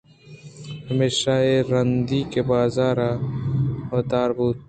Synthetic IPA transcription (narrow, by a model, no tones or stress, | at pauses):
hɐmeːʃaːeɾɐnd̪iːkebaːzaːɾa | wɐt̪aːɾbuːt̪̚